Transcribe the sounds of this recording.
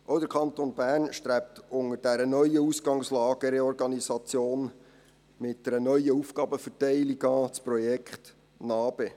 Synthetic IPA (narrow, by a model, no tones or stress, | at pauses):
ʔoʊdəɾkʰɑnt̪onbæːɾnʃt̪ɾæp̚t̪ʊŋəɾd̥æɾənœʏəusɡ̥ɑŋslɑːɡ̥əɾɛɔrɡɑnisɑt͡sjoːn | mɪt̚dɛɾənœjəufɡ̥ɑːbəfətɛɪliɡɑːt͡sprɔjɛkχt̪ | nɑːb̥e